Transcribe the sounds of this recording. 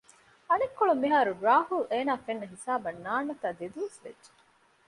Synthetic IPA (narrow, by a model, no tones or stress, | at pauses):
ɐnekːoɭumːiɦaːɾuɾaːɦuleːnaːfenːɐɦisaːbɐnːaːnːɐt̪aːd̪ed̪uʋesʋḛdʒe̥